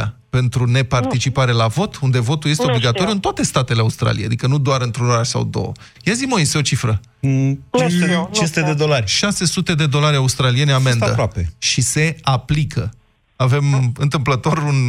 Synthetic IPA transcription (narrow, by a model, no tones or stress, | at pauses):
ape̞nt̪ɾune̞part̪it͡ʃipaɾe̞lavo̞t̪und̪e̞vo̞t̪ulje̞st̪eo̞bliɡat̪o̞ɾijuɨnt̪oat̪e̞st̪at̪e̞leaust̪ɾa̰lḭḛja̰d̪ikənud̪oaɾɨnt̪ɾunoɾaʃsa̰wd̪o̞̰ə̰ | jazimo̞iseo̞t͡ʃifɾə | t͡ʃest͡ʃesut̪ed̪ed̪olarʲʃase̞sut̪e̞d̪e̞d̪o̞laɾʲaust̪ɾalie̞neame̞naə̰ɾapeʃise̞aplikʰə | ave̞mɨnt̪ɨmplət̪o̞run